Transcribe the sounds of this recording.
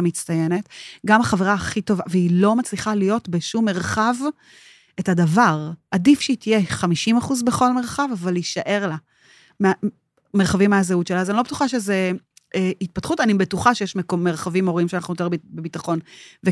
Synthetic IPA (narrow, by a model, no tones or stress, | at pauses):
mit͡stajene̞tɡamaχaveʁaːχito̞vaveilo̞mat͡sliχalijo̞tbeʃumːe̞ʁχav | e̞thadavaʁʔadifʃeitijeχamiʃimaχuzbeχo̞lme̞ʁχavavaliʃaʔe̞ʁla | me | meʁχavimːeazeutt͡ʃelaːzanilo̞betuχaʃeze | eit̚patχutanibetuχaʃejeʃmekomːeʁχavimo̞ʁiimʃeanaχnuot̪eʁbbebitaχo̞nve